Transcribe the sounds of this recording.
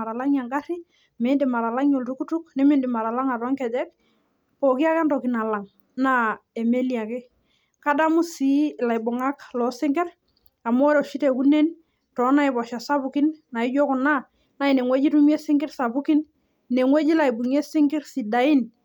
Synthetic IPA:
a˨ɾa˨la˦ŋja˨ŋɡa˦ɾi˦ | mɪ˨˦ndɪ˨ma˨ɾa˨la˦ŋjo˨ltu˦ku˦tu˦k̚nɪ˦mɪ˦ndɪ˨ma˨ɾa˨la˦ŋa˨tɔ˦ŋkɛ˨d͡ʒɛ˦k̚ | pɔ˨ki˦a˦ka˦ntɔ˨ki˨na˨la˨ŋ | na˦e˨me˦li˨a˨kɪ˦ | ka˦da˦mʊ˦si˦˨la˨jbʊ˨ŋa˦klɔ˨˦sɪ˦ŋɡɛ˦ɾ | a˨m˦ɔ˦ɾɔ˨ʃi˦te˨ku˦ne˦n | tɔ˨˦na˨ɪ˨bɔ˨ʃa˨sa˦bu˨ki˦nna˨ɪ˦d͡ʒo˦kʊ˨na˦ | na˨˦i˨ne˨ŋwe˦d͡ʒi˦tu˦mje˦sɪ˦ŋɡɪ˦rsa˨bu˦ki˦n | ne˨ŋwe˦d͡ʒi˦la˨i˨bu˨ŋe˦sɪ˦ŋɡɪ˦ɾsi˨da˨i˦n

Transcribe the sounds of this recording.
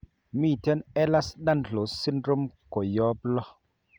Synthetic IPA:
mi˦˨tɛ˦nɛ˦la˦sɗa˦nɬo˨˦si˦ndɾo˦mko˨jɔ˦blɔ˦

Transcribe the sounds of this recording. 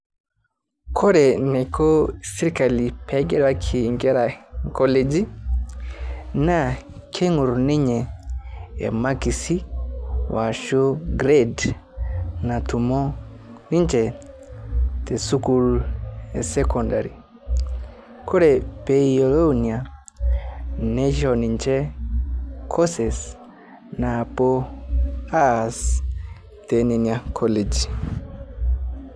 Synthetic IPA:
kʰɔ˦ɾɛ˨nɛ˨ko˦si˦ɾi˦ka˨li˨pʰɛ˦ɡɛ˦ɾwa˦kʰi˨ŋɡɛ˦ɾa˨kɔ˦led͡ʒi˦ | na˦kʰe˦ŋu˨ɾni˦ɲɛ˨ | ɛ̰˨ma˦ki˨si˦wa˨ʃo˦ɡɾe˦d | na˨tu˨mɔ˦ | ni˦ɲd͡ʒɛ˨ | te˨su˦kulesɛkɔndaɾi | ko˦ɾepeiolo˦nia | ned͡ʒɔnint͡ʃɛ˦ | kʰɔ˦sɛs | napo | as | teniniakʰɔled͡ʒ

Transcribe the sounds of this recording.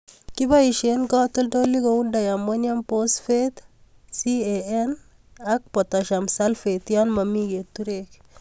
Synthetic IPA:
ki˦ba˦i˨ʃe˨nkɔ˦tʊ˦lto˦lːi˦ko˨u˦nda˨ja˨mwɔ˦ɲa˦mpo˦sfe˦t̪ | si˦e˨ɛ˦n | a˦k̚pɔ˨tɔ˨ʃa˨msa˦lfe˨t̪jɔ˦nma˨mi˦ke˨t̪ːu˦ɾek̚

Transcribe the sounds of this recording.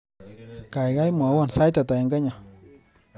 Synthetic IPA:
ka˨jɣa˦jma˨˦wɔ˦˨nsa˦jt̪a˨t̪a˨i˨ŋɡa˦ɲa˨

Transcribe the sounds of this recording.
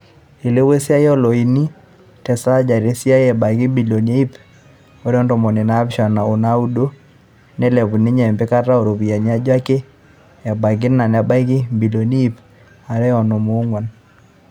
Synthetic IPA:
e˨le˦we˦sja˦jɔ˦lɔ˨i˨ni˦ | tɛ˨sa˦d͡ʒa˨ɾe˦sja˦jɛ˨ba˨kɪ˦bi˨lo˨ne˦i˦p | o˨˦ɾɔ˦ndɔ˨mɔ˨ne˨na˦bʃa˨na˨o˨na˦u˦do˦ | nɛ˦lɛ˨bu˨nɪ˦ɲa˨mbe˦ka˦ra˦o˨ɾo˨bi˨ja˨ɲ˦a˦d͡ʒa˦ke˦ | ɛ˨ba˨ɡ̬ɪ˦na˨na˨ba˦kɪ˦bi˨lo˨ni˦p | a˨ɾɛ˦ɔ˨no˨mo˨˦ŋwa˨n

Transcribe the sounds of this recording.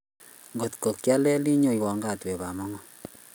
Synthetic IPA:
ŋɡo˨tko˨kja˦lɛ˦li˦ɲo˨jwɔ˨ŋɡa˦twe˨βa˨mɔ˦ŋɔ˦

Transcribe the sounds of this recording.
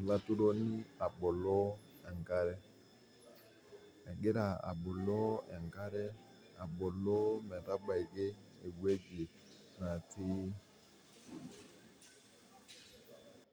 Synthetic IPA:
la˦tu˦ɾɔ˦ni˦a˨ɓɔ˨lɔ˦ | ɛ˨ŋɡa˦ɾɛ˦ | ɛ˨ɡɪ˦ɾa˨a̰˨ɓɔ˨lɔ˦ɛ̰˨ŋ˨ɡa˦ɾɛ˦ | a˨ɓɔ˨lɔ˦mɛ˨ɾa˦ɓa˨i˨ɡe˦e˨ɡwe˦d͡ʒe˨ | na˨tiː˦

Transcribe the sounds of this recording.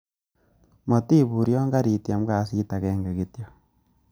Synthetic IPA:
mo˨ti˦bu˨ɾjɔ˦ŋɡa˦ɾi˨tja˨m˦ka˨si˦ta˨kɛ˦ŋɡe˨ɡi˦tjo˨

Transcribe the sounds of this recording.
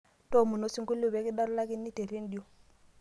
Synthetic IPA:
to˦˨mu˨no˦si˦ŋku˦lu˦˨be˨˦ki˦da˦ɾla˦ki˦nːi˦te˨ɾi˦n˦di˨o˨

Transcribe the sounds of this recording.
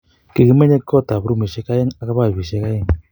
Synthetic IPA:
ki˨ki˨me˦ɲe˦kːɔ˦˨t̪a˨bɾu˦mi˨ʃe˦ka˦je˦ŋa˨˦ka˦pa˦˨βi˨ʃe˦ka˦je˦ŋ

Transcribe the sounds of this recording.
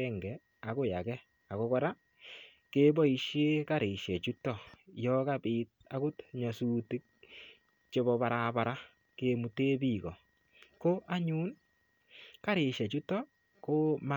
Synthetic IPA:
ɛ˦ŋɡɛ˨ | a˨ko˦ja˨kɛ˦ | a˨ko˦kɔ˦ɾa˦ | ke˦bɔ˦i˨ʃe˦ka˦ɾɪ˨ʃɛ˨t͡ʃu˦tɔ˨jɔkapɪt̚ | a˨kʊ˦tɲɔ˨su˦ti˦k̚ | t͡ʃe˦bɔ˨pa˨ɾaba˨ɾa˦ | kemu˨te˦bi˨kɔ˨ | ko˦ʔa˦ɲu˦n | ka˦ɾɪ˨ʃɛ˨t͡ʃu˦tɔ˦ | ko˦ma

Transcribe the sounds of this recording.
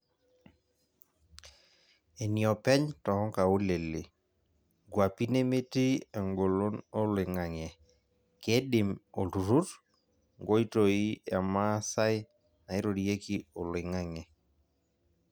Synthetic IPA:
e˨niɔ˨pɛ˦ɲtɔ˨ɔ˦ka˨o˦le˨li˨ | ɡwa˨pi˦ne˦me˦ti˦e˨ŋɡo˨lo˦no˦lɪ˨ŋa˨ŋɛ˨ | kɛ˦dɪ˨mo˨lu˨ɾu˦t | ŋɡo˦i˦to˨i˦ɛ˨ma˦sa˦ɪ˦ | na˨ɪ˦ɾo˨dije˦ki˦o˨lɪ˨ŋa˦ŋɛ˨

